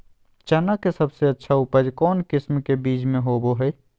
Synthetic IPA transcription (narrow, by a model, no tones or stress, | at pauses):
t͡ʃənakesəbseətːʃʰaʊpəd͡ʒkɔːnkɪsmkebiːt͡ʃmẽɦoboɦɛi